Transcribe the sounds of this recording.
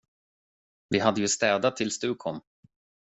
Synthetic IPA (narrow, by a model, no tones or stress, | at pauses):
vɪɦad̪ːəjɵst̪ɛːd̪at̪ʰːɪlsd̪ɵːkʰɔmː